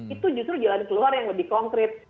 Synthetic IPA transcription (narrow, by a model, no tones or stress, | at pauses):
it̪ud͡ʒust̪ɾud͡ʒalankəluarjaŋləbɪhkɔŋkɾɪt̪̚